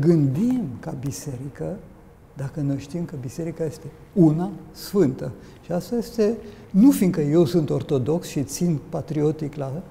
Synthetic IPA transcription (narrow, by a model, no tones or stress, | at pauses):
ɡɨnd̪imkabise̞ɾikə | d̪akəno̞jʃt̪imkəbise̞ɾikaje̞st̪e̞ | unasfɨnt̪ə | ʃiast̪aje̞st̪e̞ | nufinkəje̞wsunt̪o̞rt̪o̞d̪o̞ksʃit̪sint̪pat̪ɾio̞t̪ikla